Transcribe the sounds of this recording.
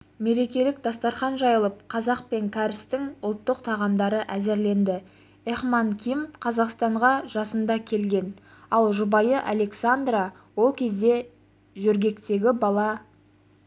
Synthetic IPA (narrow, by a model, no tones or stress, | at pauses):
me̞ɾe̞kʲe̞lɪkd̪ɑst̪ɑɾχɑnʒɑjəlˠəp̚qʰɑzɑq̚pe̞ŋkʲʰæɾɪst̪ɪŋʊlˠt̪ːəqt̪ʰɑʁɑmd̪ɑɾəʔæzeɾle̞nd̪ɪ | eχmɑŋkʲʰimqʰɑzɑqst̪ɑɴʁɑʒɑsənd̪ɑkʲʰe̞lɡʲe̞n | ɑlˠʒʊbɑjəʔale̞ksand̪rɑ | wo̞lˠkʲʰe̞zd̪e̞ | ʒɵɾɡʲe̞kt̪e̞ɡʲɪbɑlˠɑ